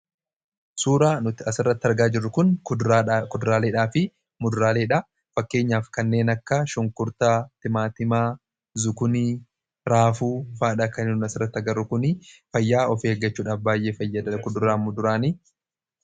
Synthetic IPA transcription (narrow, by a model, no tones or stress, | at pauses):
suːɾaːnʊt̪ɪɐsɪrːɐt̪ːɐɾɡaːd͡ʒɪrːʊkʊn | kʊd̪ʊɾaːleːᶑaːfɪ | mʊd̪ʊɾaːle̞ːᶑɐ | fɐkːe̞ːɲːaːfkɐnːe̞ːnɐkːɐʃʊŋkʊɾt̪at̪ɪmaːt̪ɪmaː | zʊkʊni | ɾaːfuːfaːᶑakɐnɪnɐsɪrːɐt̪ːɐɡɐrːʊkʊnɪfɐjːaːɔfeːɡːɐt͡ʃːuːᶑaːfbaːjʔe̞ːfɐjːɐd̪ɐkʊd̪ʊɾaːmʊd̪ʊɾaːni